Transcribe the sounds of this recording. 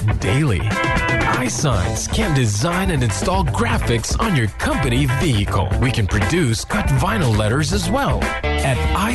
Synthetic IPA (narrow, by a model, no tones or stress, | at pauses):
d̥eɪlˠḭ | aɪsãɪ̃nz̥kʰæ̃ndɨzãɪ̃nɨ̃nɨ̃nstɔlˠɡɹæfɨksn̩jə˞kʰʌ̃mpɨniviɨkʰl̩ˠwikɨ̃npʰɹ̥ɨdʉskʰʌtvãɪ̃nl̩ˠlɛɾə˞zɨzwɛlˠ | ɨɾaɪ